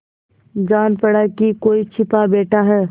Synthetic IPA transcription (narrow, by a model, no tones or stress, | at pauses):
d͡ʒaːnpɐɽakikoːit͡ʃʰɪpabeːʈʰaɦɛː